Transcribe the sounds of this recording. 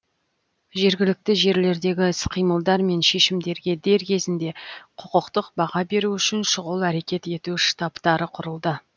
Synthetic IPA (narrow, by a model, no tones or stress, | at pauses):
ʒe̞ɾɡʲɪlɪk̚t̪ɪʒe̞ɾle̞ɾd̪e̞ɡʲɪsqʰijməlˠd̪ɑɾme̞nʃe̞ʃɪmd̪e̞ɾɡʲe̞d̪e̞ɾkʲʰe̞zɪnd̪e̞qʰʊqʊqt̪əqbɑʁɑbe̞ɾuʏʃɪnʃʊʁəlˠæɾe̞kʲe̞t̪e̞t̪uʃt̪ɑpt̪ɑɾəqʰʊɾəlˠd̪ə